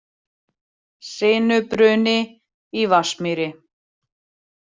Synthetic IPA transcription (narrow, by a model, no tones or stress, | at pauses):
sɪːnʏpɾʏːnɪ | ivasmiɾɪ